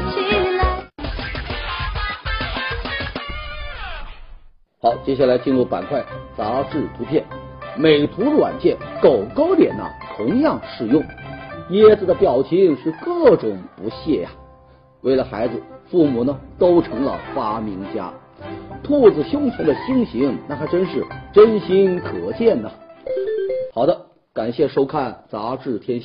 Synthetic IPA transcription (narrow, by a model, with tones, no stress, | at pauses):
xɑ˧˥ʊt͡ɕjɛ˥ɕja˥˩la˧˥ɪt͡ɕi˥˧nɻu˥˩pa̰˨˩nkʰwa˥˩ɪt͡sa˧˥ʈ͡ʂɻ̩˥˩p̪ʰu˧˥pʰjɛ˥˩nme˨˩ɪt̪ʰu˧˥lwa̰˨˩nt͡ɕjɛ˥˩nko˨˩ʊko˥ʊt̪jɛ̰˨˩nə̰˧t̪ʰʊ˧˥ŋjɑ˥˧ŋʂɻ̩˥˩jʊ˥˩ŋjɛ˥d͡zɹ̩˧˩d̪ə˩pjɑ˨˩ʊt͡ɕʰi˥ŋʂɻ̩˥˧kɤ˥˩ʈ͡ʂʊ˨˩ŋpu˧˥ɕjɛ˥˩ja̰˨˩ | we˥˩ɪlə˩xa˧˥ɪd͡zɹ̩˧fu˥˩mu˨˩nə˧t̪o˥ʊʈ͡ʂʰɤ˧˥ŋlə̰˧fa˥mi˧˥ŋt͡ɕja̰˥ | t̪ʰu˥˩d͡zɹ̩˨˩ɕjʊ˥ŋt͡ɕʰjɛ˧˥nd̪ə˨ɕi˥ŋɕi˧˥ŋna˥˩t̪ʰa˥ɪʈ͡ʂə˥nʂɻ̩˥˩ʈ͡ʂə˥nɕi˥nkʰɤ˨˩t͡ɕjɛ˥˩nnə˩ | xɑ˨˩ʊd̪ə˦ | ka˨˩nɕjɛ˥˩ʂo˥ʊkʰa˥˩nt͡sa˧˥ʈ͡ʂɻ̩˥˩t̪ʰjɛ˥nɕ